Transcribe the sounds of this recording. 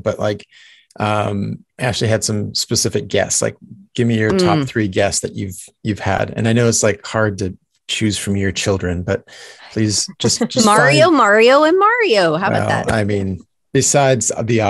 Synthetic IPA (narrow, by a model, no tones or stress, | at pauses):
b̥ʌʔla̰ɪk | ʔʌ̃mæk̚t͡ʃʉl̩ˠiɨd̥sʌ̃mspɨsɪfɨk̚ɡ̥ɛ̰ssla̰ɪk̚ɡ̥ɪvmijə˞tʰɑ˞p̚θɹiɡɛstsðɨt͡ʃʉv̥jʉv̥ɨ̰ɾɨ̰̃naɪnoʊɨtslaɪkhɑɹd̚tɨ | t͡ʃʰʉz̥fɹʌ̃mjə˞t͡ʃʰɪlˠdɹɨ̃nbʌt̚pʰl̥iz̥d̥ʒ̥ʌsd̥ʒ̥ʌʌsmɑɹioʊmɑɹioʊə̃nmɑɹioʊɦaʊaɛ̰a̰ɪmĩn | b̥ɨsaɪdz̥ðiɑ